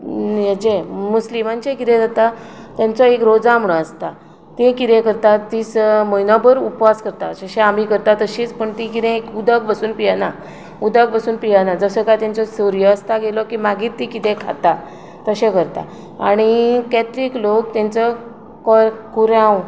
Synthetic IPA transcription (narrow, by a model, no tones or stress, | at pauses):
jed͡ʑemuslimãnt͡ɕekit̪ɛ̃d͡z̪at̪a | t̪jãnt͡sɔekɾod͡zam̤ɳəəst̪a | t̪ẽkit̪ɛ̃kəɾt̪at̪iːt͡smojnɔpəɾupʋaskəɾt̪asəɕẽamikəɾt̪at̪əɕiːt͡spəɳt̪ikit̪ɛ̃ekud̪əɡbəsuːnpijana | ud̪əɡ̚bəsuːnpijanad͡zəsəɡat̪jãnt͡sɔsəɾjəəst̪aɡelɔkimaɡiːt̪ːikit̪ɛ̃kʰa̰t̪a | t̪əɕekəɾt̪a̰ | a̰ɽ̃ikɛt̪ɾiːklok̚t̪ɛ̃nt͡sɔ | kɔkuɾãw